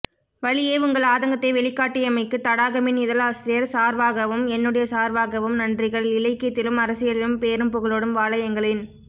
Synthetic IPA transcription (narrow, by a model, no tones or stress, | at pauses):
ʋɐɭɪjeːʊŋɡɐɭaːðɐŋɡɐt̪ːɐɪʋɛɭɪkːaːʈːɪjɐmɐɪkːɯt̪ːɐɽaːɣɐmɪnɪðɐlaːsɾɪjɐɾsaːɾʋaːɣɐʋɯmɛnːɯɽɐjɐsaːɾʋaːɣɐʋɯmnɐndrɪɣɐɭɪlɐɪkːɐt̪ːɪlɯmɐɾɐsɪjɐlɪlɯmpeːɾɯmpʊɣɐɭoːɽɯmʋaːɭɐjɐŋɡɐɭɪn